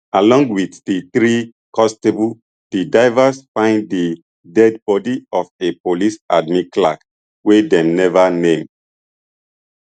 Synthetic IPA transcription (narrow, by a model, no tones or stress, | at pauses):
alɔ̃ŋɡwitdiθɹi | kʰɔstebu | d̥idaɪvasfãɪ̃ndi | dɛdbɔdiɔfepolisa̰d̚mĩklak | wedɛ̃mnɛvanẽm